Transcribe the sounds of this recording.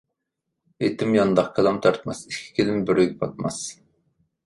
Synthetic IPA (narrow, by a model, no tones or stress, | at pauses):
et̪ʰɪmjɑnd̪ɑχkʰelˠɑmt̪ʰɑɾt̪mɑsikʲʰːi̥kʲʰilɪmbɪɾyɡʲɛbʰɑt̪̚mɑs